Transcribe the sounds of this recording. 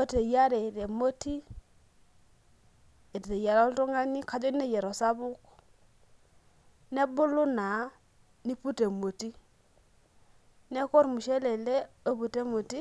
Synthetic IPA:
o˦te˨ja˦ɾɛ˨ɾe˨mo˦ti˦ | e˨tte˨ja˨ɾɔ˦ltɔ˦ŋa˦ni˦ka˨d͡ʒɔ˦ne˦jɛ˨ɾɔ˨sa˦bʊ˦k | nɛ˦bʊ˦lʊ˦na˨˦ | ni˦pu˦te˨mo˨ti˦ | nɛ˦kɔ˦ɾmʊ˨ʃɛ˦lɛ˨lɛ˦o˦pu˨te˦mo˨ti˦

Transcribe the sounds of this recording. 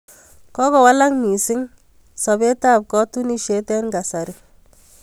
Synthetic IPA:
kɔ˦kɔ˨wa˦la˦kmi˨sɪ˦ŋ | sɔ˨be˦ta˦˨p̚kɔ˦tu˦ni˦ʃe˦tɛ˦nɡa˨sa˨ɾɪ˨

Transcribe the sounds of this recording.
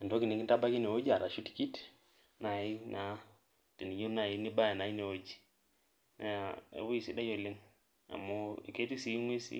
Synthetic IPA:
a˨ndo˦ki˨ne˨ki˦nta˦ba˦ki˦ne˨o˦d͡ʒi˦a˨ɾa˨ʃu˦ti̥˨ki˦t | na˨i˦na˦ | te˨ni˨ɲo˦na˨i˦ni˦ba˦a˨na˨i˦ne˨o˦d͡ʒi˨ | na̰˨˦a˨ḛ˨βo˦i˨si˦da˦jɔ˦˨le˦ŋ | a̰˨mo˦i˨ke˦ti˦si˨˦ŋwe˦sḭ˦

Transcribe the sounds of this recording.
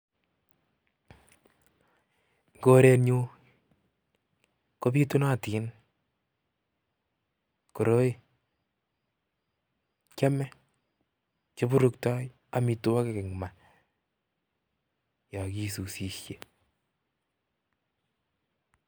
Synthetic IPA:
ŋɡo˦ɾɛ˦nɲu˦ | ko˦bi˦tu˦na˦ti˨˦n | ko˨ɾo˦i˦ | kɛ˦mɛ˦ | t͡ʃo˦bu˦ɾu˨ktɔ˦j | a˨mi˨tu˦wa˦ke˦ke˨ŋma˨ | ja˨ki˦su˨si˨ʃje˦

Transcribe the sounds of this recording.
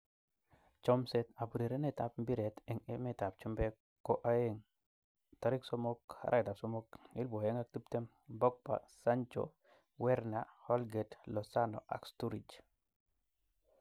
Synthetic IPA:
t͡ʃɔ˦mseta˨pu˨ɾi˨ɾe˦ne˨tapmbi˦ɾe˨teŋe˦meta˨p̚t͡ʃu˦mbe | kːo˦ʔaeŋ | ta˦ɾiksomoka̰ɾʔa̰˦da˨pso˦moki˦lbo˨eŋa˦k̚ti˦pte˦m | bɔ˦k̚pa̰˨sant͡ʃo̰ | wɛ˦ɾnahɔ˦lɡetlɔsano̰˨ʔa̰˨kstuɾi˨d͡ʒ

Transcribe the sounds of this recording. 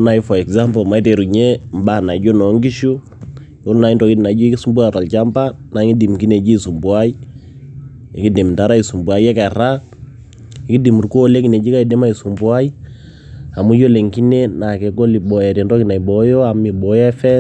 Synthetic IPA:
na˨i˦fɔ˨ɛ˨kza˦mplma˨i˦te˨ɾu˨ɲe˦m˦ba˦˨na˨d͡ʒo˦nɔ˨˦ŋɡi˦ʃu˦ | o˦lna˨i˦ndɔ˨ki˦ti˨na˨d͡ʒo˦ki˦su˨˦mbwa˦˨ta˨lt͡ʃa˦mba˦na˨˦ŋi˦di˨mki˦ne˨d͡ʒi˦˨su˨mbwa˦i˦ | ɪ˨ki˦di˨mn˨ta˦ɾa˦i˨su˨mbwa˨i˦ɛ˦ka˨ɾa˦ | ɪ˨ki˦di˨mu˨rko˦le˦ki˨ne˨d͡ʒi˦ka˦i˨de˦ma˦i˨su˨mbwa˦i˦ | a˨mu˦jo˦le˨ŋki˦ne˦na˨kɛ˨ko˦li˨bɔ˨ɛ˨te˨ndɔ˦ki˦na˨i˨bɔ˨jɔ˦a˨mi˨bɔ˦jɛ˦fɛ˦

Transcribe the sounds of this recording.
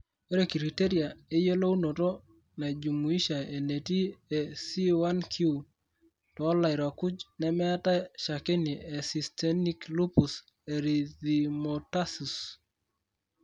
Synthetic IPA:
e˦ɾe˨ki˨ɾi˨te˦ɾja˨e˦je˦lo˦u˦no˨tɔ˦ | na˨d͡ʒu˨mu˨i˦ʃa˨e˨ne˨ti˦ɛ˨si˦wa˦nkʰu˨ | tɔː˨˦la˨i˨ɾwa˨ku˦d͡ʒnɛ˦mɛ˦a˦ta˦ʃa˨ke˦ni˨e˨si˨stɛ˦ni˦klu˦pu˨s | e˨ɾi˨ði˨mo˨ta˦su˨s

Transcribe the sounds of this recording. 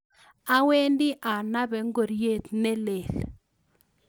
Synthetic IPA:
a˦we˦ndɪ˦ʔa˨na˦bɛ˨ŋɡo˨ɾje˦t̪nɛ˦le˨l

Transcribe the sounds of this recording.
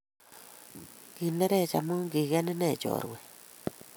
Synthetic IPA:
ki˨nɛ˦ɾɛ˦˨t͡ʃa˨mu˦ŋɡi˨ɣɛ˦nɛ˦nɛ˦˨t͡ʃɔ̰˨ɾwɛ˨

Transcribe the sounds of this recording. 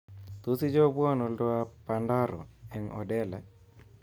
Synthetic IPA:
t̪u˦si˦d͡ʒɔ˦bwɔ˦nɔ˨ldɔ˦a˦panda˦ɾɔ̰˨ɛ˨ŋʔɔ̰dɛ˦lɛ˨

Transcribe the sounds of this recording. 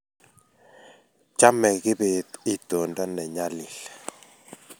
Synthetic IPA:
t͡ʃa˦mɛ˨ɣɪ˦be˨t̪ɪ˦t̪o˨nda˦nɛ˨ɲa˦li˨l

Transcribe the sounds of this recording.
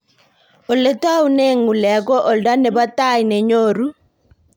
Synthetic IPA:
o˨le˨ta˦u˦ne˦ŋu˨lɛ˨ɡɔ˦ʔo˨lda˦nɛ˨ba˦ta˦˨jne˨ɲo˦˨ɾu˦

